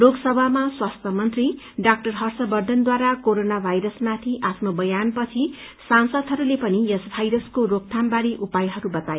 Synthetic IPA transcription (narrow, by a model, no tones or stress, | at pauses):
loɡsʌbʱamaswast̪ʰjʌmʌnt̪ri | ɖak̚ʈʌrɦʌrsʌbʌrd̪ʱʌnd̪waɾakoɾonabʱajɾʌsmat̪ʰiʔapʰnobʌjanpʌt͡sʰi | sansʌd̪ʱɦʌɾulepʌnijesbʱajɾʌskorok̚t̪ʰambaɾiʔupajɦʌɾubʌt̪aje